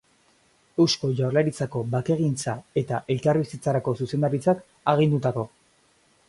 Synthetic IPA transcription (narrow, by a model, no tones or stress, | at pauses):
e̞wsko̞ʝawɾlaɾit͡sako̞βake̞ɣint͡sae̞t̪aʔe̞lkarβisit͡saɾako̞suse̞nd̪aɾit͡sak | aɣ̞ind̪ut̪ako̞